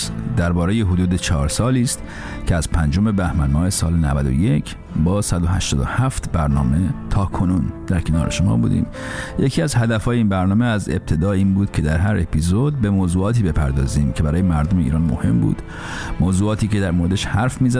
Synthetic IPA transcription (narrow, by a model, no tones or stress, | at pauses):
d̪æɾbɒːɾe̞je̞ɦod̪uːd̪e̞t͡ʃʰɒːɾsɒːliːst̪ | cʰeæz̥pʰænd͡ʒo̞me̞bæhmænmɒːhe̞sɒːlenæ̰væd̪o̰je̞cʰ | bɒːsæd̪ohæ̰ʃt̪ɒːd̪o̰hæft̪bæɾnɒ̰ːme̞t̪ʰɒːkʰo̞nuːnd̪̥æɾkʰe̞nɒ̰ːɾe̞̰ʃo̞mɒ̰ːbṵːd̪ḭːm | jecʰiːæzhæd̪æfɒːjeinbæɾnɒːmeæze̞̰b̚t̪ʰe̞d̪ɒːiːnbuːd̪̥cʰe̞d̪æɾɦæɾʔe̞pʰizo̞d̪̚be̞moːzuːɒːt̪ʰiːbe̞pʰæ̰ɾd̪ɒ̰ːziːmcʰe̞bæɾɒːjemæɾd̪omeḭːɾɒːnmo̰he̞mbṵːd̪̥ | moːzuːɒːt̪ʰiːce̞d̪æɾmoɾed̪eʃhæɾfmiːzæ